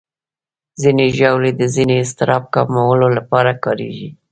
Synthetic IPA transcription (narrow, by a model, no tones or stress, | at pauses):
zineʒawled̪əzineɪst̪ɪɾɑb̚kɑmawəlolapɑɾakɑɾḛɡi